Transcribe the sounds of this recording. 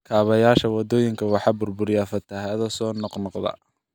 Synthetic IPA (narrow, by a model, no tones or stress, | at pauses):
kʰaːβɐjaːʃɐwɑd̪ɔːjɪŋkʰɐwɑħɑːbʊrbʊɾjafɐt̪ʰɐɦɐðɔsɔːnɔqnɔqðɐ̰